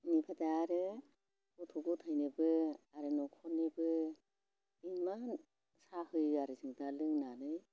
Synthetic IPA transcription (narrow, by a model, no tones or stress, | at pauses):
nipʰadaːɾɯ | utʰuɡutʰajnɯbɯaɾɯnɔkʰɔnɯbɯ | iman | sahɯjaɾɯzɯŋdalɯŋnanɯj